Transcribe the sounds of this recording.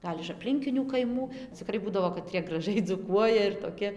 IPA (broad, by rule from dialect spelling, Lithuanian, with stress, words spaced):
ˈɡɐlʲ ɪʃ ɐpʲˈlʲɪŋʲkʲɪnʲuː kɐɪˈmuː t͡sʲɪˈkrɐɪ ˈbuːdɐʋoː kɐˈtʲrʲiɛ ɡrɐˈʒɐɪ d͡zuːˈkuɔjɛ ɪr toːˈkʲɪ